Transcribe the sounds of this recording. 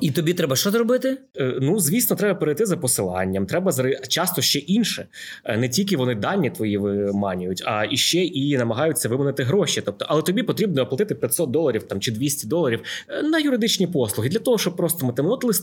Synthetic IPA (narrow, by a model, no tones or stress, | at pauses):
it̪ɔbʲit̪ɾɛbɐʃt͡ʃɔzɾɔbɪt̪ɪ | nuzʲʋʲisnɔt̪ɾɛbɐpeɾejt̪ɪzɐpɔsɪlˠɑ̰nʲːɐmt̪ɾɛbɐzɾɪt͡ʃɑst̪ɔʃt͡ʃɛʔinʃɛ | nɛtʲilʲk̬ɪʋɔnɪd̪ɑnʲːit̪ʋɔjiʋɪmɑnʲʊjʊtʲɐ̰iʃt͡ʃɛʔinɐmɐɦɑjʊt͡sʲːɐʋɪmɐnɪt̪ɪɦɾɔʃit̪ɔp̚t̪ɔʔɐlˠɛt̪ɔbʲipɔt̪ɾʲibnɔɔplˠɐt̪ɪt̪ɪpʲjɐt̪ʲsɔt̪̚d̪ɔlˠɐɾʲiwt̪ɑmt͡ʃɪd̪ʋʲisʲtʲid̪ɔlˠɐɾʲiwnɐjʊɾɪd̪ɪt͡ʃnʲipɔslˠʊɦɪd̪lʲɐt̪ɔɦɔʃt͡ʃɔb̚pɾɔst̪ɔmɐt̪ɪmnɔt̪lˠɪsʲ